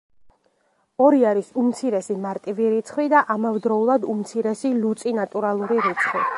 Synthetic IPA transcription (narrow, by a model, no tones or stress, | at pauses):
ɔɾiaɾisumt̪sʰiɾɛsimaɾt̪ʼiviɾit̪sʰχvwid̪aʔamavd̪ɾɔulˠad̪umt̪sʰiɾɛsilut̪sʼinat̪ʼuɾalˠuɾiɾit̪sʰχwi